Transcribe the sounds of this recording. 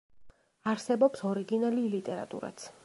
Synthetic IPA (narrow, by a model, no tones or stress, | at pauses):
aɾsɛbɔpsɔɾiɡinalilit̪ʼɛɾa̰t̪ʼṵɾa̰t̪sʰ